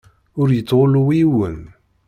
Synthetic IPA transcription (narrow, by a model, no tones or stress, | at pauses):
ʊɾjət͡sːʁoluwiwən